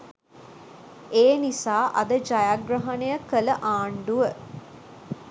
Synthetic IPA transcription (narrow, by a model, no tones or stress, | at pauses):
eːnisaːʔɐ̰d̪əd͡ʒajaɡrɐɦɐnejəkələʔaːɳɖuʋə